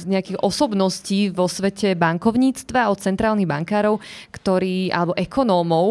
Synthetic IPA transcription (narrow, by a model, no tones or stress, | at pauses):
ɲɛakiɣʔɔsɔbnɔsciːʋɔsʋɛcɛbaŋkɔʊɲiːt͡st̪ʋaɔt̪̚t͡sɛnt̪ɾaːlniɣbaŋkaːɾɔʊkt̪ɔɾiːʔa̰lɛbɔʔɛkɔnɔːmɔʊ